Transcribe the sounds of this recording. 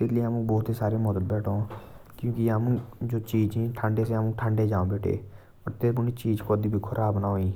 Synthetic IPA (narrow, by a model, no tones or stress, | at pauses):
t̪ɪt̪liəmũːbɔːt̪iːsaːɾeːmɔd̪əl̚bɛːʈʰõːkjũːkiəmũːd͡ʒoːt͡ʃiːd͡ʒiːʈʰaɳɖeːseːəmũːʈʰəːɳɖeːd͡ʒaːõːbeːʈʰḛː | ɔːɾt̪eːp̬ʊniːt͡ʃiːd͡ʒkoːd̪iːbʱiːkʰʊɾʔaːbnaːɦoːiː